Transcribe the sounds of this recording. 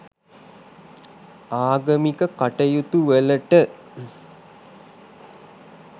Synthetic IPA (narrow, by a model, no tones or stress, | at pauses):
aːɡəmikəkaʈəjut̪uʋələʈə